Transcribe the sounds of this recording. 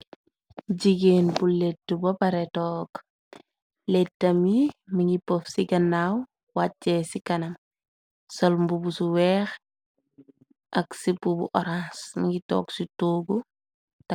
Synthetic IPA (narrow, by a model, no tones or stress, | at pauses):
d͡ʒiɡenbuletːubɐpaɾetɔːk | letːamimiŋɡipofsiɡɐnːaw | wat͡ʃːesikɐnɐm | solmbubusuwex | ʔaksipubṵʔoɾansmiŋɡitɔ̰ːksitoːɡu | t